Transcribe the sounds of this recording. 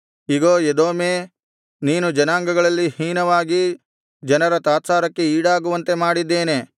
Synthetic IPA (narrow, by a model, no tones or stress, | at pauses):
iɡoːed̪oːmeː | niːnud͡ʒɐnaːŋɡɐɡɐɭɐlːihiːnɐʋaːɡi | d͡ʒɐnɐɾɐt̪aːt̪saːɾɐkːe̞iːɽaːɡuʋɐnt̪e̞maːɽid̪ːe̞ːne̞